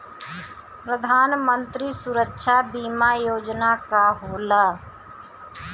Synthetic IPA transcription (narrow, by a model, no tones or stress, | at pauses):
pɾəd̪ʱaːnmə̃nt̪ɾisʊɾəkʃʰabiːmajoːd͡ʒnakaɦoːlaː